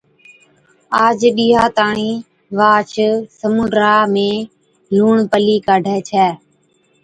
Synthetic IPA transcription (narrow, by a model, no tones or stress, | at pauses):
aːd͡ʒɗiːɦaːt̪aːɳiː | ʋaːt͡ʃʰsəmuːɖɾaːmẽː | luːɳpəliːkaːɖʱɛːt͡ʃʰɛː